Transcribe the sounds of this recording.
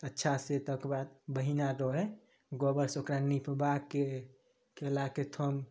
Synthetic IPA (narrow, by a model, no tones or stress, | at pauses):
ətːʃʰaset̪ɔkebad̪̚bəɦinaɾɔɦɛ | ɡobəɾsokɾanipbakːe | kelaket̪ʰom